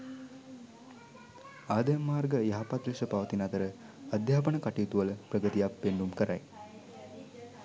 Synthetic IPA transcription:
aːd̪əjmːaːrɡəjaɦapat̪ɾiʃəpaʋət̪inɐt̪əɾə | ad̪jaːp̬əɳəkaʈijt̪uʋələprəɡət̪ijapːeɳɖumkəɾa̰j

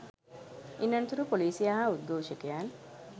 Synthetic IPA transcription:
ʔinːɐnt̪uɾupoliːsijaɦaːud̪̚ɡoːʃekejaːn

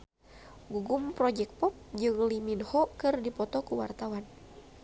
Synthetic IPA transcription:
ɡuɡumpɾɔd͡ʒɛk̚pɔp̚d͡ʒɨŋliminhɔkɨrdipɔt̪ɔkuwa̰rt̪awan

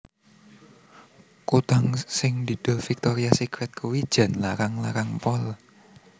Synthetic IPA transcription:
kut̪aŋsɪŋd̪̥i̤d̪̥o̤lfik̚t̪ɔɾiasikɾɛt̪̚kʰuwid̥ʒ̥ä̤nlaɾaŋlaɾaŋpɔl

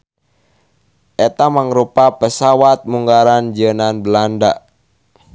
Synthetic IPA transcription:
ʔɛt̪amaŋɾupapəsawat̪̚muŋɡaɾand͡ʒənanbəlanda

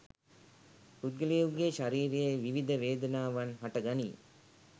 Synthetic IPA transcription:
ɾud̪ɡəlijuɡeʃaɾiːɾejeʋiʋid̪ʱəʋeːd̪ɐnaːʋɐnɦaʈɐɡɐnḭː

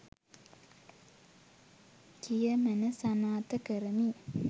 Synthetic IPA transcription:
kijəmənəsanaːt̪əkəɾəmi

